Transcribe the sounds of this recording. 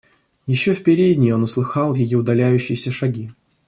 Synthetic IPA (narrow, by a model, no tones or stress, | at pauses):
jɪɕːofpʲɪɾʲedʲnʲɪonʊslˠɨxɑlˠjɪjiʊd̪ɐlʲæjʉɕːɪjɪsʲəʂaɡʲi